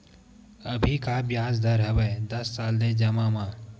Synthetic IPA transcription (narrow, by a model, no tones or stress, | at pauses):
əbʱiːkaːbjaːzd̪ɐɾɦɐʋəd̪ɐsːaːld̪eːd͡ʒɐmãːmãː